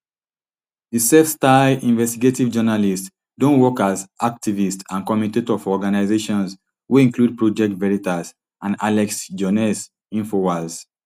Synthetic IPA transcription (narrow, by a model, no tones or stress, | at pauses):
disɛfstaĩnvɛstiɡetivd͡ʒɔnalist | dõnwɔkazʔak̚tivistãnkɔmitetɔfɔɔɡanaɪzeʃɔ̃ns | wuĩŋklud̚pɹod͡ʒɛk̚tvɛɹitas | ʔãna̰lɛksd͡ʒɔnɛs | ĩnfowas